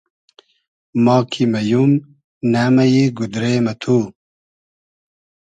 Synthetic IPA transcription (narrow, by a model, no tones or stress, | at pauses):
mɑːkʰimɐjum | naːmɐjeɡud̪ɾeːmɐt̪ʰuː